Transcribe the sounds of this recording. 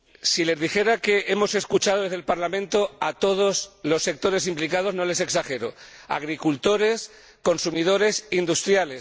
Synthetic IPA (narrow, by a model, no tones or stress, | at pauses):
sile̞zðixe̞ɾake̞ʔemo̞se̞skut͡ʃað̞o̞ðe̞zðelpaɾlamẽnt̪o̞at̪o̞ð̞o̞zlo̞sːe̞k̚t̪o̞ɾe̞s̬implikað̞o̞zno̞le̞se̞ksaxe̞ɾoa̰ɣ̞ɾikult̪o̞ɾe̞s | ko̞nsumið̞o̞ɾe̞sind̪ust̪ɾjale̞s